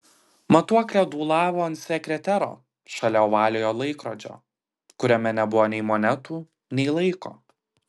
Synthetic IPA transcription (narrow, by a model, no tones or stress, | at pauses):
mɐt̪uɔklʲɛd̪uːlˠɑːʋoːɐnt̪sʲɛkʲɾʲɛt̪ʲɛɾo̰ː | ʃɐlʲɛʊʋɑːlʲeːjoːlˠɐɪkɾoːd͡ʒʲo̰ː | kʊɾʲɛmʲɛnʲɛbʊʋoːnʲɛɪmɔːnʲɛt̪uː | nʲɛɪlˠɐɪko̰ː